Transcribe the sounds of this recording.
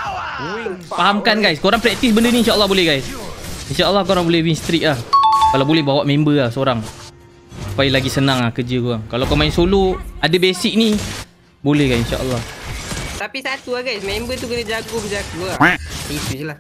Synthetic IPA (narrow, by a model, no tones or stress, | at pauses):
faɦamkanɡajskoɾaŋpɾɛk̚t̪is̬bəndəniːnʃaʔəlːɑhbolɛhɦɡajsinʃaəlːɑhkoɾaŋbolɛhwinst̪ɾik̚lahkalawbolɛhbawaʔmembəahsəoɾaŋ | supailaɡisənaŋlahkəd͡ʒəkuaŋkalawkamainsoloadəbesik̚ni | bolɛhɡajsinʃa̰ʔə̰lːɑht̪apisat̪uaɡajsmembət̪̬ukənəd͡ʒaɡokəd͡ʒaɡuait̪usla